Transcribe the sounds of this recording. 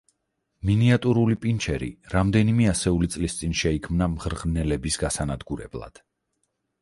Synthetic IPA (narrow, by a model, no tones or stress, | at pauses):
miniat̪ʼuɾulipʼint͡ʃʰɛɾḭɾamd̪ɛnimɛasɛulit̪sʼlist̪sʼinʃɛikʰmnamʁɾʁnɛlɛbisɡasanad̪ɡuɾɛ̰blˠa̰d̪̥